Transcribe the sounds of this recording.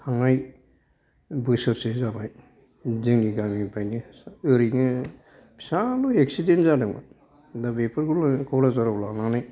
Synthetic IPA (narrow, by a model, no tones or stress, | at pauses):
haŋaj | bɯsɯɾsezabaj | zɯŋniɡamipʰajnisɯɾiŋɯ | pʰsalueksidenzadɯŋba̰ | dabepʰɯɾkɯlakʰɔwlazaɾawlananaj